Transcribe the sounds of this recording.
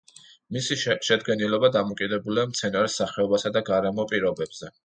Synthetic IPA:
misiʃɛd̪̚ɡɛnilɔbad̪amɔkʼid̪ɛbuliamt̪sʰɛnaɾisːaχɛɔbasad̪aɡaɾɛmɔpʼiɾɔbɛbz̥ɛ

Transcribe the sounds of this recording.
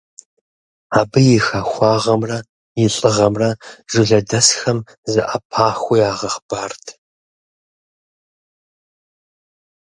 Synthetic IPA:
aːbɨjɪxaːxʷɑːʁɐmrɐ | jɪɬʼɨʁɐmrɐʒ̥ɨɮɐdɐsxɐm | zɨʔɐpʰaːxʷʊjaːʁɐχb̥aːrtʰ

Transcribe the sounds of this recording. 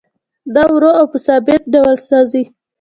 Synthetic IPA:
d̪ɑwɾoawpəsɑbɪt̪̚ɖawəlsɑzi

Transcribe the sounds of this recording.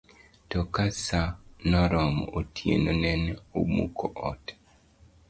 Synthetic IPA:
tɔkasanɔɾɔm̰otʰjḛnonɛnomukʰoʔɔt

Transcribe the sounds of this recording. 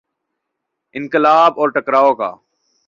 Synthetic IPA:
ɪ̃nkɪlaːbɔːɾʈɐkɾaːoːka̰ː

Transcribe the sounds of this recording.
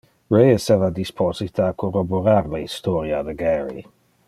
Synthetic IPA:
ɾejɛsɛvad̪ispʰɔzit̪aakʰoroboɾaɾlaist̪ɔːɾjad̪əɡɛɾḭ

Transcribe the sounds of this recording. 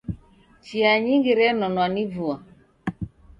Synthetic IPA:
t͡ʃiaɲiŋɡiɾɛnɔnwanivua

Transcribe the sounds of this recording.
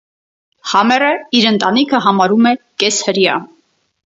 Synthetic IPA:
hɑmɛrəiɾənt̪ɑnikʰəɦɑmɑɾumɛkɛshəɾjɑ̰

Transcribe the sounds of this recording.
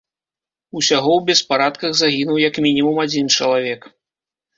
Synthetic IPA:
usʲaɣɔwbʲɛspaɾat̪kɐɣzaɣʲinuwjɐkmʲinʲimumad͡zʲint͡ʂɐlˠavʲɛk

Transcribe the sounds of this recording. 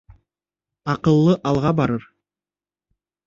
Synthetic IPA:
ɑqɯlˠːɯʔɑlˠʁɑbɑɾɯɾ

